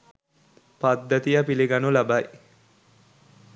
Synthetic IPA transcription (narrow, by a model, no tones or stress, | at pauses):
pad̪ːɐt̪ijapiliɡanulabaj